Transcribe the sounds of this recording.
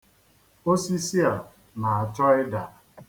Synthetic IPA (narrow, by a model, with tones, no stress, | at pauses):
o˦si˦si˦a˨ | na˨a˨t͡ʃɔ˦ɪ˦da˨